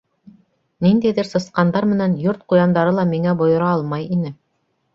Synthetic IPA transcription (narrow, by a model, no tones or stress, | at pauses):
nind̪æjðɘɾsɤ̆sqɑnd̪ɑɾmɘ̆nænjoɾt̪̚qujɑnd̪ɑɾɤlˠɑmiŋæbŏjŏɾɑɑlˠmɑjinɘ